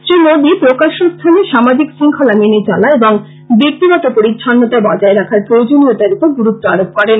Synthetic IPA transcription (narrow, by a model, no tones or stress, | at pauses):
sɾimod̪ipɾokaʃost̪ʰaneʃamad͡ʑiksiŋkʰalaminet͡ɕalaeboŋ | bik̚t̪iɡɔt̪opoɾitʰːanːot̪abɔd͡ʑaeɾakʰaɾpɾood͡ʑoniot̪aɾipoɡuɾut̪ːoaɾok̚pɔɾen